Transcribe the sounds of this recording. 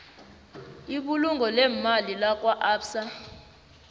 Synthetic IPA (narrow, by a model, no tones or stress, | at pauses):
iɓuluŋɡʱɔlɛmalilak̬ʼwaʔaːpsa